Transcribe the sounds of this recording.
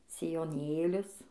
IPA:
sʲɪjoːˈnʲeːlʲʊs

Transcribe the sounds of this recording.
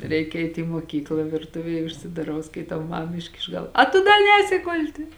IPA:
ˈrʲɛɪk ˈɛɪt ɪ moːˈkʲiːklˠɐ ʋʲɪrˈtʊʋʲeːj ʊʃʲsʲɪdɐˈrɐʊ skɐɪˈtɐʊ ˈmɐm ˈɪʃʲkʲɪʃ ˈɡɐlˠ ˈɐ tʊ dɐ ˈnʲɛːsʲɪ ˈɡʊlʲtʲɪ

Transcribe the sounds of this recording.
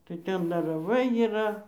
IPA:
tɐɪ ˈtʲɛn dɐr rɐˈʋɐɪ iːˈrɐ

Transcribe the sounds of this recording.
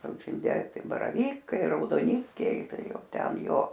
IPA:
pɐɡrʲɪnʲˈdʲɛ ˈtɐɪ bɐrɐˈʋʲiːkɐɪ rɐʊdoːˈnʲɪkʲɛɪ ˈtɐɪ ˈjɛʊ ˈtʲɛn ˈjoː

